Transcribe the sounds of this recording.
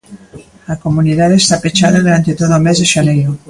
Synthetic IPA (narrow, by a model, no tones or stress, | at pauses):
lakomuniðaðest̪apet͡ʃaðaðuɾant̪et̪oðomezðeʃalejo